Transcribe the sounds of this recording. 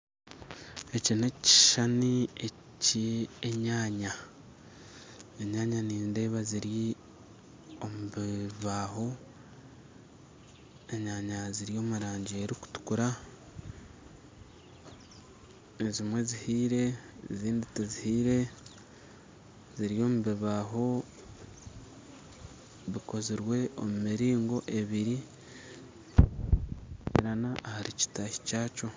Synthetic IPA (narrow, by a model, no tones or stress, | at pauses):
e̞cineci̥ʃanie | cieɲaːɲa | eɲaːɲaniːnde̞ːβaziɾi | o̞muβiβaːɦo̞ | e̞ɲaːɲaziɾijo̞ːmuɾaːɲɟieɾiku̥tu̥kuɾa | ezimwe̞zihiːɾe̞ziːnditezihiːɾe̞ | ziɾijo̞ːmuβiβaɦo̞ | βiko̞ziɾwe̞ʔomumiɾiːŋɡo̞ʔe̞βiɾi | ḭɾanaʔːhaɾici̥taci̥caːco̞